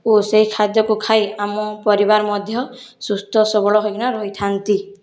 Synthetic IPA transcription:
oseɦikʰad̪jɔkukʰajamɔpɔɾibaɾmɔd̪ʱjɔ | sust̪ɔsɔbɔɭɔɦojɡinaɾɔɦit̪ʰant̪i

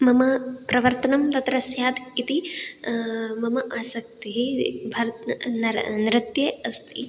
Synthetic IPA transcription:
mɐmɐpɾɐʋɐɾt̪ɐnɐmt̪ɐt̪ɾɐsjaːd̪it̪i | mɐmɐʔaːsɐk̚t̪iɦibʱɐɾt̪nɾnɾɪt̪jeɐst̪ʰi

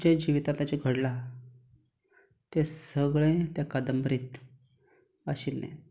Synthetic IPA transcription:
d͡ʑad͡ʑiʋit̪ãt̪at͡ɕeɡʱəɽla | t̪esəɡɭẽt̪jakad̪əmbɾit̪ | aɕilːḛ̃

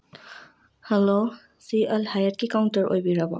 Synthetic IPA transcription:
hɛlo | siɛlhajət̚kikawntəɹʔo̰jbiɾaba̰

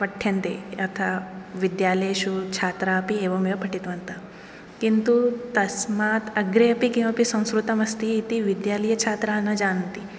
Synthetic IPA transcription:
pɐʈʰjɐnt̪ḛːɐt̪ʰaʋid̪jaːlɐjɐʃut͡ʃʰaːt̪ɾaːɐpieːʋɐmjɐpʰɐʈit̪ʋɐnt̪ɐ | kint̪ut̪ɐsmaːt̪ɐɡɾeɐpikẽʋɐpisɐ̃w̃skɾut̪ɐmɐst̪iːt̪iʋid̪jaːlɐjɐt͡ʃʰaːt̪ɾaːnːɐd͡ʒaːnɐnt̪i

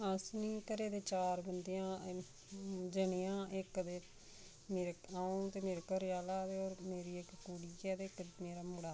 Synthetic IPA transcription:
əsniːkəɾeːd̪eːt͡ʃaːɾbənd̪ejãː | d͡ʒəɳeːãːʔɪkd̪eː | meːɾaːũt̪eːmeːɾkəɾjaːlaːd̪eːoːɾmeːɾiːɪkkuːɽiːɛːd̪ekmeːɾaːmuɽaː

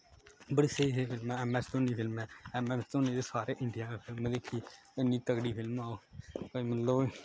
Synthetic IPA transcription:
bəɽiːseiːseːpʰɪlmɛ̃ɛːmɛ̃ːt͡ʃt̪õːniːpʰɪlmɛ̃ːɛːmɛ̃ːt͡ʃt̪õːnĩːd̪eːsaːɾeːʔɪɳɖijaːeːpʰɪlmd̪eːkʰiːɪnːĩːt̪əkɽiːpʰɪlmaːoːkəimənloː

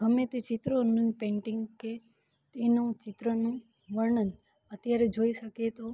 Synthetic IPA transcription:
ɦəmẽt̪et͡ʃɪt̪ɾonũpẽɳʈɪ̃ŋɡke | t̪enũt͡ʃɪt̪ɾənũ | ʋəɾɳən | ət̪jaɾed͡ʒoiʃəket̪o

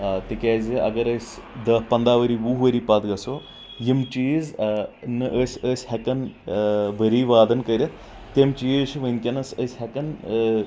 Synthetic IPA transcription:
t̪ikʲɛːzʲiʔɐ̰ɡɐɾəsʲd̪ɐpɐnd̪aːʋəɾiʋuɦʋəɾipɐt̪ɡɐsoː | jimt͡ʃiːznɨʔəsʲəsʲhɐkɐn | bəɾiːʋaːd̪ɐnkəɾʲɐ | t̪emt͡ʃiːʃʰʋənʲkʲɐnɐsəsʲɦɐkɐn

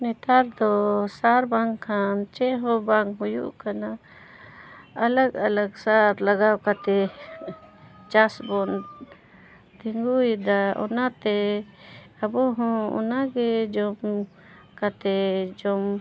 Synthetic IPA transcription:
nɛt̪aɾd̪ɔsaɾbaŋʰant͡ʃɛɦɔbaŋkɦujṵʔkana | ləɡaləɡsaɾlaɡawkat̪ɛ | t͡ʃasbɔn | t̪iŋɡujd̪aɔ̰nat̪ɛ | abɔɦɔ̃ɔ̰naɡɛd͡ʒɔm | kat̪ɛd͡ʒɔm

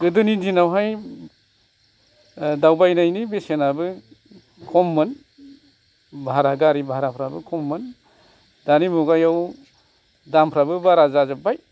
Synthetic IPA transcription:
ɡɯdɯnidinawɦaj | dawbajnajnibesenabɯ | kʰɔmːɯn | bʱaɾaɡaɾibʱaɾapʰɾabɯkʰɔmːɯn | danimuɡajaw | dampʰɾabɯbaɾazazabaj

